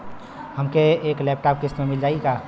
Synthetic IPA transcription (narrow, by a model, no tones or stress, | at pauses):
həmkeːklɛp̚ʈap̚kist̪memild͡ʒaːjka